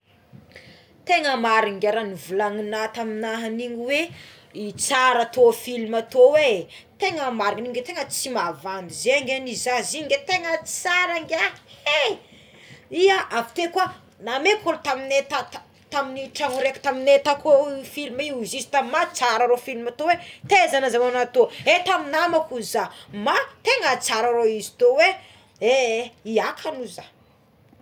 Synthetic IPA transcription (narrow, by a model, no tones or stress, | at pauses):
t̪eŋəmaɾiŋɡʲaɾanivulaŋinat̪aminaɦaniŋiwe | it͡saɾat̪ofilmat̪owe | t̪eŋəmaɾiniŋɡet̪eŋət͡simavanizeŋɡʲanizaziŋɡet̪eŋə̥t͡saɾaŋɡʲae | iaʔavi̥t̪ekua | namekolut̪aminet̪a | t̪aminiʈ͡ʂaŋuɾeku̥t̪aminet̪akofilmiizizi̥t̪omat͡saɾaɾofilimat̪owet̪ezanəzawanat̪oet̪aminamakuzamat̪eŋət͡saɾaɾoizi̥t̪owe | eiakʰanuza